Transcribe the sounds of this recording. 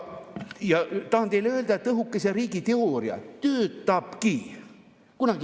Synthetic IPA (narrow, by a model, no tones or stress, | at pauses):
jɑt̪ɑhɑnd̪ejleøld̪ɑet̪ːɤɦukːˑeseɾiːɡit̪e̞oɾiɑ̰t̪øːt̪ːˑɑb̥ki | kunɑɡ̥i